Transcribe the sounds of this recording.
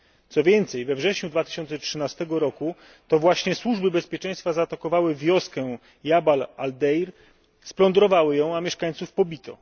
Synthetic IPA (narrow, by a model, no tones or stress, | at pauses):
t̪sɔvʲjɛnt̪sɛjvɛvʐɛɕɲud̪vat̪ɘ̥ɕɔnt̪sɛtʂɘnast̪ɛɡɔɾɔku | t̪ɔvwaɕɲɛswuʐbɘbɛspʲjɛt͡ʂɛ̃j̃st̪fazaːt̪akɔvawɘvʲjɔskɛ | jabalald̪ɛjɾ | splɔnd̪ɾɔvawɘjɔ̃w̃amʲjɛʂkaɲ̃t̪sufpɔbʲit̪ɔ̰